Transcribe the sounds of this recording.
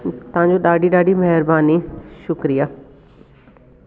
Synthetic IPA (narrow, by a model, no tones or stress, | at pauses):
t̪ʊãːɲd͡ʒõːɗaːɖiːɗaːɖiːməɦɾbaːniːʃʊkɾijaː